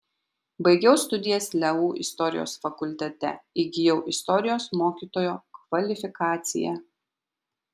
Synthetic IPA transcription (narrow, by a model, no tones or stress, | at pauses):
bɐɪɡʲɛʊst̪ʊd̪ʲɪjɛslʲɛuːʔɪ̰st̪ɔɾʲɪ̰jo̰ːsfɐkʊlʲt̪ʲɛt̪ʲɛ̰ɪɡʲɪjɛʊʔɪst̪ɔɾʲɪjoːsmoːkʲiːt̪oːjoːkʋɐlʲɪfʲɪkɑːt̪sʲɪ̰jɛ̰